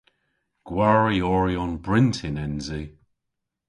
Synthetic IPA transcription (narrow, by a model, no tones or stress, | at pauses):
ɡ̥waɹiɔɹjɔnbɹɪntʰɪnɛnzi